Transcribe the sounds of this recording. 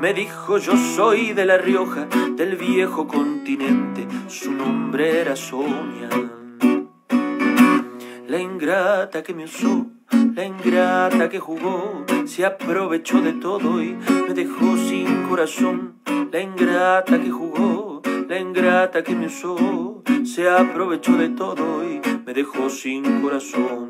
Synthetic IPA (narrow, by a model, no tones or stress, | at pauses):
me̞ðixo̞ʒo̞so̞jðe̞larjo̞xaðe̞lβje̞xo̞ko̞nt̪inẽ̞nt̪e̞sunõmbɾeeeɾaso̞ɲja | laiŋɡɾat̪ake̞meuso | laiŋɡɾat̪ake̞xuɣo̞seapɾo̞βe̞t͡ʃo̞ðe̞t̪o̞ðoime̞ðe̞xo̞siŋko̞ɾaso̞ŋ | laiŋɡɾat̪akexuɣolaiŋɡɾat̪akemeusoseapɾo̞βe̞t͡ʃoðe̞t̪oðoime̞ðe̞xo̞siŋko̞ɾasoŋ